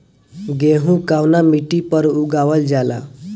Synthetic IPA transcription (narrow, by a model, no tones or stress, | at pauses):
ɡeɦũkawnamiʈipəɾuɡawəld͡ʒala̰